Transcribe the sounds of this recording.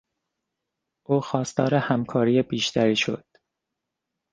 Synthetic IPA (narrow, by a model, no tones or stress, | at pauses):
ʔuːxɒːst̪ɒ̰ːɾehæmkʰɒːɾiːjebiːʃt̪ʰæɾiːʃo̞̰d̪̥